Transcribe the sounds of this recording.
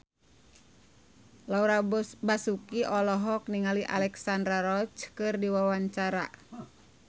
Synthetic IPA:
lauɾabasukiʔɔlɔɦɔk̚niŋaliʔa̰lɛksandɾaɾɔt͡ʃkɨrdiwawaɲt͡ʃaɾa

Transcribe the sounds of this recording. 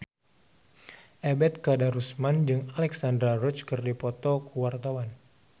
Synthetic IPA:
ʔɛbɛt̪̚kadaɾusmand͡ʒɨŋalɛksandɾarɔt͡ʃkərdipɔt̪ɔkuwart̪awan

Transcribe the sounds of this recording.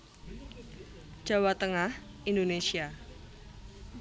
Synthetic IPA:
d͡ʒ̥a̤wat̪əŋahʔindonesia

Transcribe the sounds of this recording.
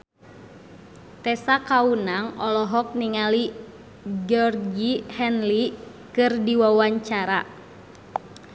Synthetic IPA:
t̪ɛsakaunaŋɔlɔɦɔk̚niŋali | d͡ʒɔrd͡ʒihɛnli | kɨrdiwawaɲt͡ʃaɾa

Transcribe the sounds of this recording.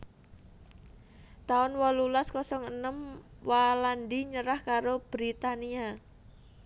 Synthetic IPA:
t̪aʊnwɔlulaskɔsɔŋənəmwalandiɲəɾahkaɾob̥ɾit̪ania

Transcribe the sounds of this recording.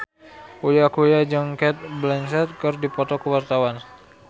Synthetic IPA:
kujakujad͡ʒaŋkɛt̪̚blɛnsɛt̪̚kərdipɔt̪ɔkəwart̪awan

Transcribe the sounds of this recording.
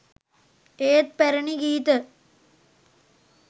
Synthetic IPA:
eːt̪̚peɾɐɳiɡiːt̪ə

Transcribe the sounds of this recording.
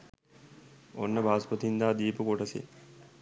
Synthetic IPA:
onːɐbʱaːspɐt̪ind̪aːd̪iːpukoʈɐsḛ

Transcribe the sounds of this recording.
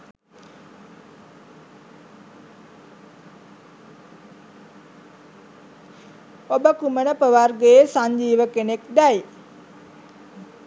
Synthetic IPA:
obəkumənəpəʋarɡeesaɲd͡ʒiːʋəkenekd̪aj

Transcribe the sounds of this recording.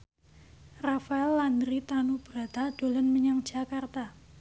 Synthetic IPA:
rafaɛlːandɾit̪anub̥ɾat̪aɖ̥o̤lənməɲaŋd̥d͡ʒ̥a̤kart̪a

